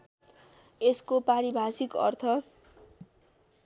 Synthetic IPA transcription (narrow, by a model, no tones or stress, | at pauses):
eskopaɾibʱasikʌ̰rt̪ʰʌ